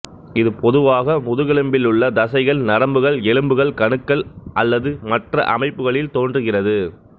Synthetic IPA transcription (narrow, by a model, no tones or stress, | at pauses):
ɪðɯpɔðɯʋaːɣɐmʊðɯɣɛɭɯmbɪlɯɭːɐd̪ɐsɐɪɣɐɭnɐɾɐmbɯɣɐɭɛɻɯmbɯɣɐɭkɐɳɯkːɐɭʔɐlːɐðɯmɐʈrɐ̰ʔɐ̰mɐɪpːɯɣɐɭɪlt̪oːndrɯɣɪrɐðɯ